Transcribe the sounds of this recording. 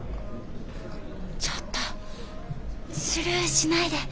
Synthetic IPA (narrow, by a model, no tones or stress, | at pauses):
t͡ɕot̪ːo | sɨɾɯɕinaid̪e̞